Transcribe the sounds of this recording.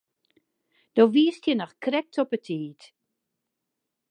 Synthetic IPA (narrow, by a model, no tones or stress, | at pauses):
d̥oːʋiəstjənɔxkrɛk̚tʰɔpətʰiːt